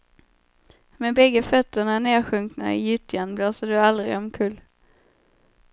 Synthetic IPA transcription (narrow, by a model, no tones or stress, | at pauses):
mɛbɛɡːəfœt̪ːəɳaneːɾɧɵŋkna̰ɪ̰jʏt̪ʰjanbloːsədɵald̪ɾɪ̰ɔmkʰɵlː